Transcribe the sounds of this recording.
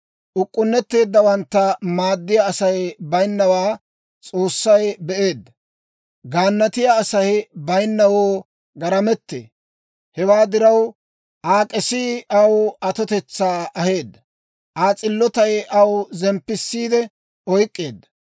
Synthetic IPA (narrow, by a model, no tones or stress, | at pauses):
ʔʊkʼːʊnːɛt̪ːe̞ːd̪ːɐwɐnt̪ːɐmaːd̪ːɪjaːsɐjbɐjnːɐwaː | t͡sʼo̞ːsːɐjbɛʔe̞ːd̪ːɐ | ɡaːnːɐt̪ɪjaːsɐjbɐjnːɐwoː | ɡɐɾɐmɛt̪ːḛː | hɛwaːd̪ɪɾɐw | ʔaːkʼɛsiʔɐwɐt̪ɔt̪ɛt͡sːaːʔɐhe̞ːd̪ːɐ | ʔaːt͡sʼɪlːɔt̪ɐjɐwzɛmpːɪsːiːd̪ɛ | ɔjkʼːe̞ːd̪ːɐ